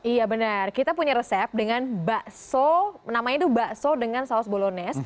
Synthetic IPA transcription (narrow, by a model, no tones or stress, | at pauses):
ijabənərkit̪apuɲaɾəsɛp̚dəŋanbaʔsonamaɲat̪ubaʔsodəŋansaɔsbolonɛs